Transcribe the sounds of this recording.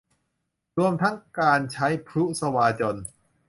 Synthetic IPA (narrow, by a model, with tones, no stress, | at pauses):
ɾu˧əmt̪ʰa˦˥ŋkaː˧nt͡ɕʰa˦˥jpʰɾu˦˥sa˧waː˧t͡ɕo˧n